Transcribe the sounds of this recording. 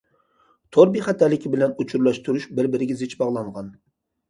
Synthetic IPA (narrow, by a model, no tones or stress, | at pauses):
t̪ʰoɾbiχɛt̪ʰɛlːɪkʲɪbɪlɛnut͡ʃʰuɾlˠɑʃt̪ʰuɾuʃbɪɾbɪɾɪɡʲɛzɪt͡ʃbɑʁlˠɑŋʁɑn